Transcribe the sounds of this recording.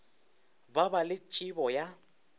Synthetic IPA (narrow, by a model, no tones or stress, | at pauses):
babalɪt͡ʃʼibɔja